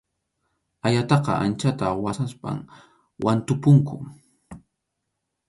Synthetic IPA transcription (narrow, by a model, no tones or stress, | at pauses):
ajat̪ɑqɑʔant͡ʃat̪awasaspa̰m | wʔant̪ʊpʊŋkʊ